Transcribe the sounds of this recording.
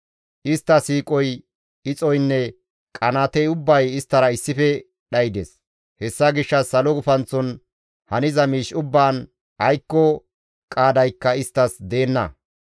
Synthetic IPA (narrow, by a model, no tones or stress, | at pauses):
ʔɪst̪ːɐsiːkʼɔj | ɪt͡sʼɔjnːɛ | kʼɐnaːt̪ɛjʊbːɐjɪst̪ːɐɾɐɪsːɪfɛ | ɗɐjd̪ḛs | hɛsːɐɡɪʃːɐsːɐlɔɡʊfɐnt͡sːɔn | hɐnɪzɐmiːʃʊbːaːn | ɐjkːɔ | kʼaːd̪ɐjkːɐɪst̪ːɐsd̪e̞ːnːɐ̰